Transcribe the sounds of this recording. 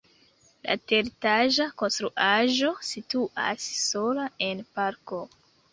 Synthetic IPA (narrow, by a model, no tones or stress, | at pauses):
la̰teɾtaʒako̞nstɾuʔaʒo̞situʔa̰sːo̞lae̞npaɾko